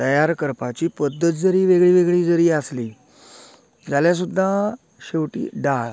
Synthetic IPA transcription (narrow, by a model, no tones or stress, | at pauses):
t̪əjaɾkəɾpat͡ɕiːpəd̪ːət̪̚d͡zəɾiːʋeɡɭiːʋeɡɭiːd͡zəɾiːasliː | d͡zaljas̬ud̪ʱːa | ɕewʈḭːɖaɭ